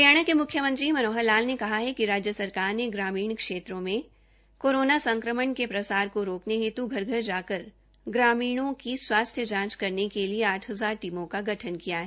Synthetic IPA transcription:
pjaːɽ̃əkemʊkʰjəmə̃nt̪ɾimɐnoːɦəlaːlnekɐɦaɦɛkiɾaːd͡ʒjəsɐɾkaːɾneɡɾaːmiːɽ̃kʃeːt̪ɾõmẽ | koːɾoːnasɐ̃ŋkɾəməɳkepɾɐsaːɾkoɾoːkneɦeːt̪uɡʱɐɾɡʱəɾd͡ʒaːkəɾ | ɡɾaːmiːɽ̃õkiswaːst̪ʰjəd͡ʒãːt͡ʃkɐɾnekelieaːʈʰɦɐzaːɾʈiːmõkaɡʱɐʈʰənkijaɦɛː

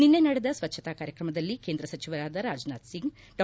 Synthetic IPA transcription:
ninːenɐɽed̪ɐsʋɐt͡ʃːʃʰɐt̪aːkaːɾjɐkɾɐmɐd̪ɐlːikeːnd̪ɾɐsɐt͡ʃiʋɐɾaːd̪ɐɾaːd͡ʒnaːd̪siŋɡ | ɖɐ

